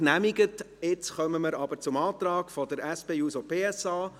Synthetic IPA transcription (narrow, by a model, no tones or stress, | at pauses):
næmiɡət | ɪt͡sχœməməɾɑbəɾt͡sʊmɑːt̪rɑːkfɔdəɾæspeːuːsopeːɛsɑː